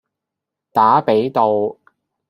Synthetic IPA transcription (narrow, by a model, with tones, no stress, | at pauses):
t̪aː˨˥pe˨˥jt̪o˨w